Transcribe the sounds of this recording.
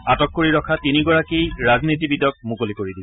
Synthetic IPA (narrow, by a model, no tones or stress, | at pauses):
atɔkːoɹiɹɔkʰatiniɡɔɹakejɹaznitibidjɔk̚mukolikoɹidi